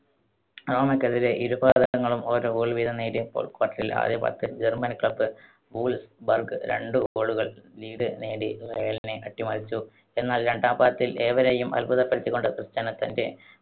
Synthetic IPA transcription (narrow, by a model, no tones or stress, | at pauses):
ro̞ːmɐkːeðile̞ʔiɾubaːðɐɐŋːɐɭumo̞ːɾoːbuːɭʋiːd̪ʱɐneːɽipo̰ːlkwaːʈːɐrila̰ːd̪jɐba̰ːt̪ːid͡ʑermɐnkɭɐbːɨ | buːɭsbɐrɡɨɾe̞̰ɳɖɨoːɭuɣɐɭliːɽɨneːɽirɐejɐline̞ʔɐʈːimɐrit͡ɕːu | e̞nːaːlɾe̞ɳɖaːbaːt̪ːile̞ːʋɐɾejumɐ̰lbuðɐpːɐɾit͡ɕ̪ːukːo̞ɳɖɨkrɨst͡ɕanɐt̪ːɐnde̞